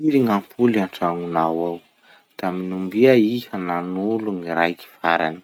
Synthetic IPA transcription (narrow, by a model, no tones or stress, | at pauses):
iɾiŋampʰulaɳʈ͡ʂaŋunawaw | d̪̥aminumbiaihananuluŋiɾajki̥faɾa̰ni̥